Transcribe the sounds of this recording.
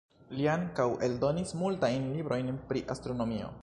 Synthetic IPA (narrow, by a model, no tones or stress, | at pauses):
liaŋkawe̞ldo̞nismultajnlibɾo̞jnpɾiʔastɾo̞no̞mio̞̰